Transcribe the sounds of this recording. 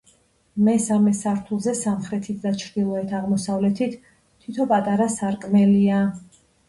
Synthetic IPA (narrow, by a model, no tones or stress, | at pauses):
mɛsamɛsaɾt̪ʰulˠzɛsamχɾɛt̪ʰit̪ʰd̪at͡ʃʰɾd̪ilˠɔɛt̪ʰaʁmɔsavlɛt̪ʰit̪ʰː | it̪ʰɔpʼat̪ʼaɾasaɾkʼmɛlia